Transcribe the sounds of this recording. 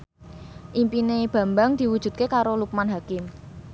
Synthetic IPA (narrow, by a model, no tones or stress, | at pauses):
ʔimpineb̥ä̤mbaŋd̪̥i̤wud̥ʒ̥ṳt̪̚kekaɾoluk̚manɦakɪm